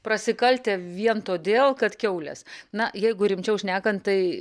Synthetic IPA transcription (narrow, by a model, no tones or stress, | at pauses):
pɾɐsʲɪkɐlʲt̪ʲeːʋʲiɛnt̪oːd̪ʲeːlˠkɐt̪kʲɛʊlʲɛ̰snɐjɛɪɡʊɾʲɪmʲt͡ʃʲɛʊʃʲnʲæːkɐnt̪t̪ːɐɪ